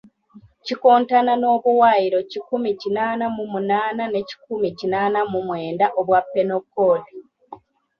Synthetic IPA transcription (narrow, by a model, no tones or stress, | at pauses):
cikoːntanano̞ːβuwajiɾo̞cikumicinaːnamumunaːnane̞ci̥kumicinaːnamumwe̞ːndaʔoβwapːe̞no̞kːoli